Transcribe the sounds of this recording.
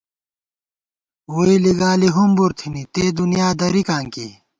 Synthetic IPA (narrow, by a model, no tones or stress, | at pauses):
woːiliɡaːliɦumbuɾt̪ʰinit̪eːd̪unjaːd̪ɐɾikãːŋkḭ